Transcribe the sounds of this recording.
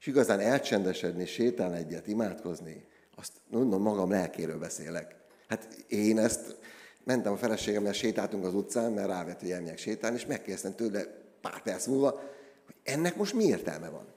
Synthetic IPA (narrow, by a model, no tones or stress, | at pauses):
ʃiɡɒzaːnɛlt͡ʃɛnd̪ɛʃɛd̪niʃeːt̪aːnɛɟːɛt̪imaːt̪ko̞zni | ɒst̪ɡo̞nd̪o̞mːɒɡɒmlɛlkeːɾøːlbɛsḛːlɛk | hat̪eːnɛst̪mɛnt̪ɛmɒfɛlɛʃeːɡɛmɛrʃeːt̪aːlt̪yŋkɒzut̪saːnmɛraːvɛt̪hoɟɛlmijɛkʃeːt̪aːlneːʃmɛkːeːrdɛst̪ɛmt̪øːblːɛpa̰ːrt̪ɛrsmulvɒhoɟ̥ɛnːɛkmo̞ʃt̪mieːrt̪ɛ̰lmɛ̰vɒ̰n